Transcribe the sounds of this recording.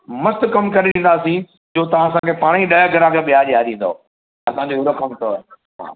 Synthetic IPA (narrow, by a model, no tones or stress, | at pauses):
mɐst̪ʊkɐmkɐɾeɗĩːn̆d̪aːsĩ | d͡ʑoːt̪ɐʋ̤ãːɐsãːkʰepaːɽ̃iɗɐjəɡʱɐɾaːkəɓɪjaːɗijaːɗ̪ĩːn̆d̪o̰ | ɐsãɲd͡ʑoːʊɾɐkʰəmt̪ʰo | ɦa̰ː